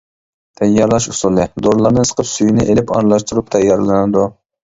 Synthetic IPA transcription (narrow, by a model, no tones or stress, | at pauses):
t̪ʰɛjːɑɾlˠɑʃusulˠɨd̪oɾlˠɑɾnɨsə̥qʰəpsyjnɪʔelɪpɑ̰nlˠɑʃt̪uɾup̚t̪ʰɛjːɑɾlˠɨnɨd̪u